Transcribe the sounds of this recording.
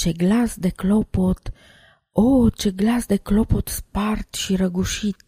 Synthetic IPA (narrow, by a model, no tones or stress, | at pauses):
t͡ʃeɡlasd̪eklopot̪ | ot͡ʃe̞ɡlasd̪e̞klopot̪spart̪ʃiɾəɡuʃit̪